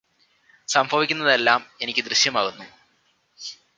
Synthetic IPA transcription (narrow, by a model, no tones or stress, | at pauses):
sɐmbʱɐʋikʲːunːɐðe̞lːaːme̞nikʲːɨd̪rɨɕjɐmaːɣunːu